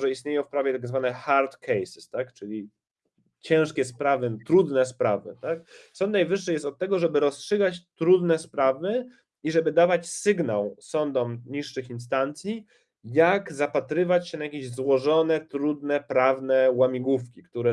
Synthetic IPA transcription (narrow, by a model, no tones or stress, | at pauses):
ʐɛist̪ɲejɔ̃w̃fpɾavʲjɛt̪aɡzvanɛxaɾt̪kʰɛjsɪ̥st̪akt͡ʂɘlʲi | t͡ɕɛ̃w̃ʂkʲɛspɾavɘt̪ɾud̪nɛspɾavɘ̰t̪ak̚sɔ̃ndt̪najvɘʂːɘjɛst̪ɔt̪̚tːɛɡɔʐɛbɘɾɔstʂɘɡat͡ɕt̪ɾud̪nɛspɾavɘ | iʐɛbɘd̪avat͡ɕsɘɡnawsɔnd̪ɔmɲiʂːɘxins̬t̪ant̪sʲji | jaɡzapat̪ɾɘvat͡ɕɕɛnajakʲeʑzwɔʐɔnɛt̪ɾud̪nɛpɾavnɛwamʲiɡufkʲikt̪uɾɛ